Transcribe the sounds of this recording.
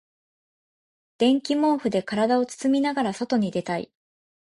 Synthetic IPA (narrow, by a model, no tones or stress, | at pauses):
d̪̥ẽ̞ŋkʲimõ̞ːɸɯ̟d̪e̞kaɾad̪ao̞t͡sɨ̥t͡sɨmʲinaɡaɾaso̞t̪o̞ɲ̟id̪e̞t̪aḭ